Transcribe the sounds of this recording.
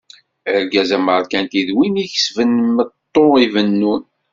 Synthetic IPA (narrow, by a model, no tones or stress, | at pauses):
əɾɡæzæməɾˤkænt̪iðwiniçə̥svənmət̪ˤːoivənːun